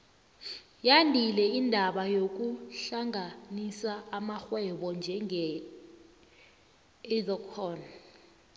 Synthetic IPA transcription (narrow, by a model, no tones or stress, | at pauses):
jandʱilɛindʱaɓajok̬uɬaŋʱanisaːmaxwɛɓɔnd͡ʒʱɛŋɛ | ɛzɔkʰɔːna